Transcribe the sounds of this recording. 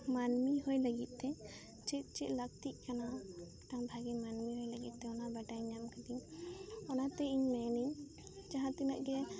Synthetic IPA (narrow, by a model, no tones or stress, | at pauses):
manmiɦɔjləɡit̪̚ˀt̪ɛ | t͡ʃɛt̪̚ˀt͡ʃɛt̪̚lək̚t̪iʔ̚kana | ʈãbʱaɡɛmanmiɦɔjləɡit̪̚ˀt̪ɛɔnabaʈajɲamkad̪iɲɔnat̪ɛiɲmɛniɲ | d͡ʒaɦãt̪inaʔɡɛ